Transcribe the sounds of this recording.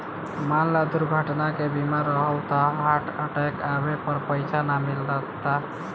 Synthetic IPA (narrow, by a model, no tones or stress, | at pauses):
manlad̪uɾɡʱəʈnakebimaɾːəɦəlt̪aɦaʈʰə̰ʈajkabepəɾpəjt͡ʃʰanamilɾəkt̪a